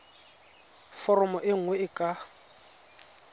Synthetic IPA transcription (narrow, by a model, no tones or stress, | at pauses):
fɔrɔmɔʔɪŋ̩wɛɪkʼa